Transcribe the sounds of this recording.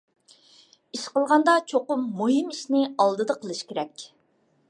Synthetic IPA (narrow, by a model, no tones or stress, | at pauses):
iʃqəlˠʁɑnd̪ɑt͡ʃʰoqʊmːuɦimiʃnɪɑlˠd̪ɨd̪ɑqʰəlˠɨʃkʲeɾɛkʲ